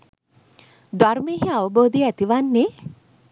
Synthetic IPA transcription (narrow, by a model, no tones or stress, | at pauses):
d̪aɾmeːɦiaʋəboːd̪iæt̪iʋanːe